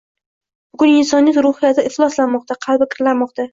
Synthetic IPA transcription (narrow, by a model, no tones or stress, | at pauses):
bʊɡʲʊnɪnsɒnːjɪt̪ɾʊhɪjat̪ʰɪʔɪχlˠɒslanmɒq̚t̪ʰaqʰɑlˠbɪkʲʰɪɾlanmɒqt̪ʰa